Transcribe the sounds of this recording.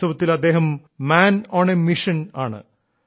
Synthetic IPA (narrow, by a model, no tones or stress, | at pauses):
ɐʋɐt̪ːilɐd̪ːe̞ːɦɐmː | aːnoːɳemiʂɐna̰ːɳɨ̰